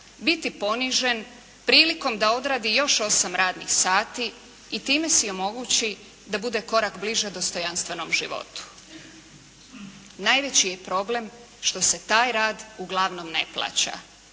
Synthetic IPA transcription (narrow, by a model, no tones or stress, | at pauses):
bit̪ipo̞niʒe̞n | pɾiːliko̞md̪ao̞d̪ɾaːd̪ijo̞ʃo̞samɾaːd̪nḭxsaːt̪iː | t̪iːme̞sio̞mo̞ɡut͡ɕi | d̪abud̪e̞ko̞ɾakbliʒed̪o̞st̪o̞janst̪ʋe̞nomʒiʋo̞̰t̪u̥ | najʋe̞t͡ɕijepɾo̞ble̞m | ʃt̪o̞se̞t̪aːjɾaːd̪uɡlˠaʋno̞mne̞̰plˠa̰ːt͡ɕa̰